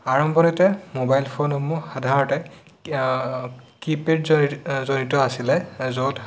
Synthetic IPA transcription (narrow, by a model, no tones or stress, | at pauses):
aɹɔmbɔnitɛmobajlpʰonɔmuxadʱaɹɔtɛ | kipedzonitɔasilɛzot